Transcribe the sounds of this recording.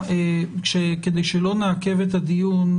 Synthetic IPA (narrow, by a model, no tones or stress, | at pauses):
ʃeked̪e̞jʃelo̞naake̞vet̪ad̪ijun